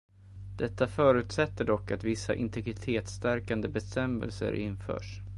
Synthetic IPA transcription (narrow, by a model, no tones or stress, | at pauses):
d̪̥ɛt̪ːafœːɾʉ̟ːt̪sɛt̪ːəɖɔkːat̪vɪsːa̰ʔɪnt̪ʰɛɡɾɪt̪ʰeːt̪st̪æɾkand̪əbɛst̪ɛmɛ̰lsə̰ɾʔɪnfœ̰ːʂ